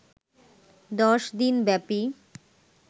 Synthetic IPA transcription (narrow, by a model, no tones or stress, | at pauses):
d̪ɔʃd̪inbɛpi